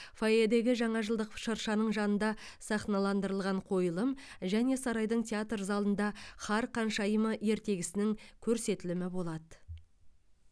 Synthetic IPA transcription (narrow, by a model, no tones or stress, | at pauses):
foed̪e̞ɡʲɪʒɑɴɑʒəlˠd̪əqʃəɾʃɑnəɴʒɑnənd̪ɑ | sɑχnɑlˠɑnd̪əɾəlˠʁɑɴqʰo̞jəlˠəm | ʒæne̞sɑɾɑjd̪əɴt̪ʲʰeat̪rzɑlˠənd̪ɑχɑɾqʰɑnʃɑjəməe̞ɾt̪e̞ɡʲɪsɪnɪŋkʲʰɵɾse̞t̪ɪlɪmɪbo̞lˠɑd̪ə